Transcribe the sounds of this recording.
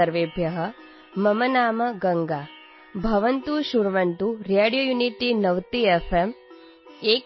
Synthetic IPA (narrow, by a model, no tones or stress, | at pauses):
ɐɾʋeːbʱjɐɦɐ | mɐmɐnaːmɐɡɐŋɡaː | bʱɐʋɐnt̪uʃuɾʋɐnt̪uɾeːɽijoːjuniʈinɐʋt̪iefʰem | eːk